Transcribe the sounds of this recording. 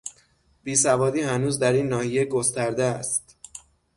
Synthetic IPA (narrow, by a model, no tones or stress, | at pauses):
b̥iːsævɒːd̪iːhænuːzd̪æɾiːnːɒːhijeɡo̞st̪æɾd̪eæst̪